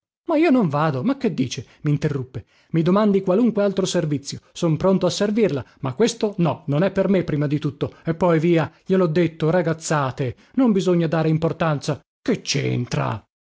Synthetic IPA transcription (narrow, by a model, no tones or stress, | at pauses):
maiːonoɱvaːd̪omak̟ːed̪ːiːt͡ʃemiːnt̪erːupːe | mid̪omand̪ikwaluŋkwealt̪ɾoservit̪sːjosompɾont̪oasːervirlamakːwest̪onɔnonɛpːermepːɾiːmad̪it̪ut̪ːoepːɔjviːaʎelɔd̪ːet̪ːoɾaɡat̪sːaːt̪e | nombizoɲːad̪aːɾeimport̪ant̪sa | ket͡ʃːḛnt̪ɾa̰